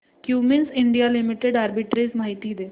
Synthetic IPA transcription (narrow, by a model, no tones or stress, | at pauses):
kjuːmensɪɳɖijalɪmɪʈeɖaːɾbɪʈɾismaːɦit̪id̪eː